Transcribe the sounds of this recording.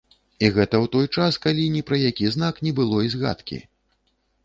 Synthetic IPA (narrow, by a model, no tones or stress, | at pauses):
iɣɛt̪ɐwt̪ɔjt͡ʂaskalʲinʲipɾɐjakʲiznaknʲɛbɨlˠɔizɣa̰t̪kʲḭ